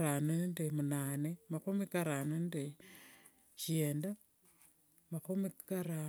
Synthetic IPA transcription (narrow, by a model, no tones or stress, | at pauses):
ɾanendemunaːnemakumikaɾanende | ʃeːnda | makumikaɾa